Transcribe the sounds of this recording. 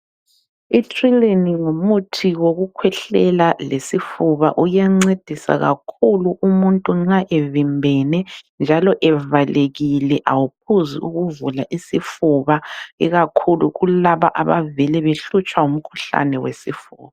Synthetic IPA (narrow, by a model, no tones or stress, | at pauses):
itʰʼrileniŋumutʰiɣoɣukʰwɛɬɛlalesifuβa̰ʔujɛŋ͡ǀed̥ʱisa̰ɣa̰kʰuluʔumuntʼuŋ͡ǀŋ͡ǁaʔevimbʱɛnɛnd͡ʒʱalɔʔɛvaleɣilɛʔawup̚ʰuzḭuɣuvulaʔisifuβaɛɣakʰuluɣulaβa̰ʔaβavɛlɛβeɬut͡ʃʼwaum̩kʰu̥ɬa̰nɛwesifuːβa